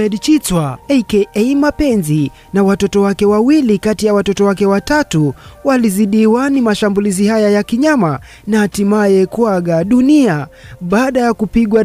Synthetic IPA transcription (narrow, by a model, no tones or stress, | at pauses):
ɛɗt͡ʃit͡swaɛkɛʔɛimapɛnzi | nawatɔtɔwakɛwawilikatijawatɔtɔwakɛwatatuwaliziɗiwanimaʃambulizihajajakiɲama | nahːtimajɛkwaɡaɗuniaɓaːɗajakupiɡwa